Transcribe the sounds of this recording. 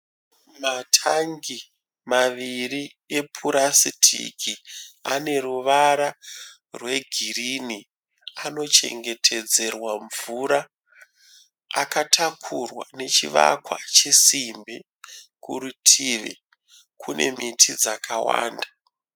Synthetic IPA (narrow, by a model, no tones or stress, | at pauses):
matʰaŋɡi | maʋiri | epʰuɾasitʰḭkiane̞ɾuʋaɾa | rwe̞ɡʱirini | ano̞t͡ʃe̞̰ŋɡe̞tʰe̞d͡ze̞rwaɱvuɾa | katʰakʰurwa̰ne̞t͡ʃiʋa̰kwa̰t͡ʃesimbe | kṵɾutʰiʋḛ | kʰune̞̰mitʰid͡zakawa̰ːnda